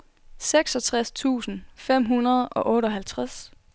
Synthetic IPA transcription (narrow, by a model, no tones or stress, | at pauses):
seɡ̥sɒ̽t͡sʰʁast͡sʰṵːsn̩fem̰ɦunɐð̞ˠɒ̽ʔɔ̽ːɾɒ̽ɦælt͡sʰʁas